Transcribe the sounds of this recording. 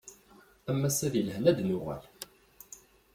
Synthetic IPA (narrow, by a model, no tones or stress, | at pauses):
æmːæsæðilhnæd̪nʊʁə̰l